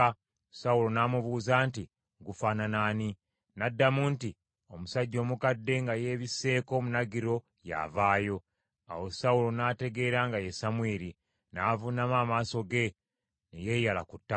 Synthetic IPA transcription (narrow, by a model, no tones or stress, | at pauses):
saulo̞naːmuβuːzanti | ŋɡufaːnanaːni | nadːamuːnti | o̞musaɟːo̞ːmukadːe̞ŋɡaje̞ːβise̞ːko̞ːmunaɡiɾo̞ | ja̰vaːjo̞ | a̰wo̞saulo̞naːte̞ɡe̞ːɾaŋɡaje̞samweːɾi | naːvunamaːmaːso̞ɡe̞ | neje̞jalakutːa